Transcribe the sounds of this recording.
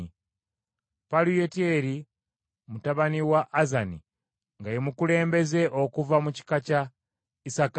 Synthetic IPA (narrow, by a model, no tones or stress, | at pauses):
palujetieɾi | mutaβaniwaʔːzanḭ | ŋɡajemukule̞ːmbe̞ze̞ʔokuvamuci̥kaca | isak